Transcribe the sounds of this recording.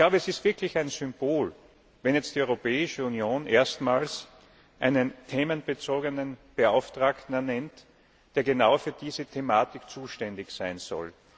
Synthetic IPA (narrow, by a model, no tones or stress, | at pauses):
ɪkl̥aʊbəɛsɪstv̥ɪɐklɪçaɪnzʏmb̥oːl | vɛnjɛt͡std̥iʔɔʏʁopɛːɪʃəunjoːnʔeːɐstmaːls | ʔa̰ɪnəntʰeːmənb̥ət͡soːɡənənb̥əaʊftʁ̥aːktn̩ɛɐnɛnt | d̥eːɐɡənaʊfyːɐd̥iːzətʰemaːtɪkt͡suːʃtɛndɪçsaɪnz̥ɔ̰l